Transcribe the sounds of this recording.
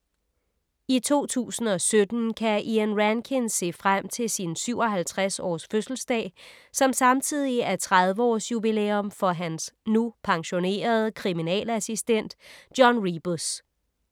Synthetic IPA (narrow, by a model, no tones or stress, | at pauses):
it͡sʰo̝̰ːt͡sʰṵːsn̩ɒ̽sød̥n̩kʰæʔiænʁænkʰense̝̰ːfʁam̰t͡sʰe̝lsinsyʊ̰ɒ̽ɦælt͡sʰʁasɒ̰ːsføsl̩sd̥ɛ̰ːsɒ̽msɑ̈mt͡sʰið̞̰ˠiæɐt͡sʰʁað̞ˠʋəɒ̰ːsjubileːɔ̽mfɒ̽ɦænsnupʰɑ̈ŋɕo̝ne̝̰ːɐð̞ˠkʰʁiminɛ̰ːlæsisd̥en̰d̥jɒnʁib̥s